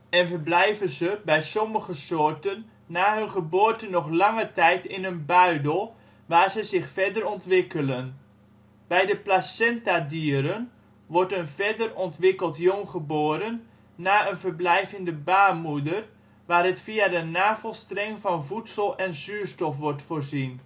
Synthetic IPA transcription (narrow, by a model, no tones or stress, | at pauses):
ɛnvəɹblɛjvənzəbɛjsɔməχəsoːɹtənː | aːɦɵnχəboːɹtənɔχlɑŋətɛjtɪnənbœɥdəlˠ | ʋaːɹzəzɪxfɛdərɔntʋɪkələn | b̥ɛjdəplasɛntadiːəɾən | ʋɔɹtənvɛdərɔntʋɪkəlˠtjɔŋχəboːɾənː | aːənvəɹblɛjvəndəbaːmudər | ʋaːrɦətfiadənaːvəlˠstrɛŋvɑnvutsəlˠɛnzyːɹstɔfʋɔɹtfoːɹzin